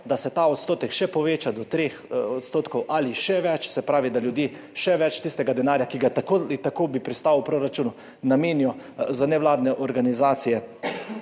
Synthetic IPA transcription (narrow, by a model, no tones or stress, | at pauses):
d̪asɛt̪aɔt̪st̪oːt̪ɛkʃɛpɔʋeːt͡ʃad̪ɔt̪ɾeːxɔt̪st̪oːt̪kɔwʔaliʃɛʋɛt͡ʃsɛpɾaːʋid̪aljud̪jeː | ʃɛʋɛt͡ʃt̪ist̪ɛɡad̪ɛnaːɾjakiɡat̪akolit̪akoːbipɾist̪aːwwpɾoɾat͡ʃuːnu | nameːnijɔ | zanɛʋlaːd̪nɛʔɔɾɡanizaːt̪sijɛ